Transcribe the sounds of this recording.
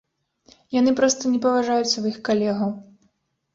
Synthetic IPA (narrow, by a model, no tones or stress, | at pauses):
janɨpɾɔst̪ɐnʲɛpɐvaʐajut̪sʲːɐvjixkalʲɛɣɐw